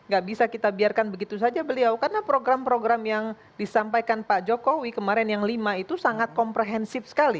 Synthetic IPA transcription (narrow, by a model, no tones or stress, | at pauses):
ŋɡaʔbisakit̪abiarkanbəɡit̪us̬ad͡ʒabəliawkarənapɾoɡɾampɾoɡɾamjaŋ | disampajkanpad͡ʒokowikəmaɾɛnjaŋlimait̪usaŋat̪̚kɔmpɾeɦɛnsɪfsə̥kali